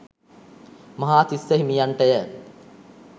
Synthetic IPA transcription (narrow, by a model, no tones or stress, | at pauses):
mɐɦaːt̪isːəɦimijaɳʈəjə